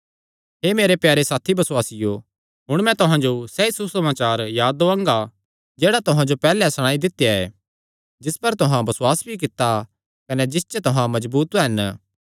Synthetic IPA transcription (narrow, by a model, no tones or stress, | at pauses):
ɦeːmeːɾepjaːɾesaːt̪ʰibɐswaːsɪjo | ɦʊɽ̃mɛ̃t̪ʊɦãd͡ʒosɛisusɐmaːt͡ʃaːɾjaːd̪oãːŋɡa | d͡ʒeːɽat̪ʊɦãd͡ʒopɛːlɛsɐɽ̃ãːid̪ɪt̪ːejaɛː | d͡ʒɪspɐɾt̪ʊɦãbɐswaːsbʱik̬ɪt̪ːa | kɐned͡ʒɪst͡ʃət̪ʊɦãmɐzbuːt̪ɦɛn